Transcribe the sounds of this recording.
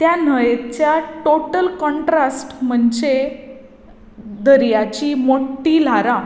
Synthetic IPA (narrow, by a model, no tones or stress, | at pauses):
t̪jan̤əjet͡ɕjaʈoʈəlkɔɳʈɾasʈm̤əɳd͡ʑe | d̪əɾjat͡ɕiːmoʈːil̤aɾã